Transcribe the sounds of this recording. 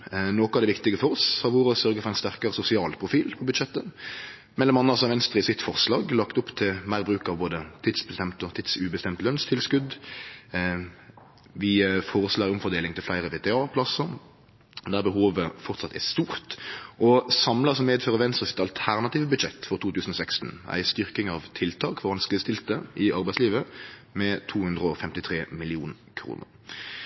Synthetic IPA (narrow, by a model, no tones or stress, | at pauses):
noːkɑʋd̪ɛʋɪkt̪ɪɡəfɔʁɔshɑʋuːʁɔsœɾʁɡəfɔɾʁɛɪnst̪æʁkɑʁəsʊsɪɑːlpʰʁʊfiːlpʰɔbʉd̪ʃɛt̪ːə | mɛlːɔmɑnːəɑsɔɑʋɛnst̪ɾəɪsɪt̪fɔʁslɑːɡlɑkt̪ʊpːt̪ʰɪlmæɪbʁʉːkɑʋboːd̪ət̪ʰiːd̪sbəst̪ɛmt̪ɔt̪ʰiːd̪sʉːbəst̪ɛmt̪lœnst̪ʰɪlskʉd̪ | ʋɪfɔːʁəslɑːɾɪʊmfɔʁd̪eːlɪŋt̪ʰɪlflæɪɾəʋeːt̪ɛɑːpʰlɑsəɾ | d̪æːʁbəɦoːʋəfɔʁt̪sɑt̪ʰːæst̪uːʁt̪ʔɔsɑmləsɔmeːd̪føːʁəʋɛnst̪əsɪ̥t̪ɑlt̪ʰæʁnɑt̪iːʋəbʉd̪ʃɛt̪ːfɔʁt̪ʰuːt̪ʰʉːsən̩ɔsɛkst̪n̩æ̰ɪst̪ʏʁkɪŋɑʋt̪ʰɪlt̪ʰɑːkfɔʁɑnskəst̪ɪlt̪əʔɪʔɑʁbæɪsliːʋəmɛt̪ʰuːhʉnd̪ʁəɔfɛmt̪ɪt̪ʰʁeːmɪlɪuːn | kʰɾṵːnə̰ʁ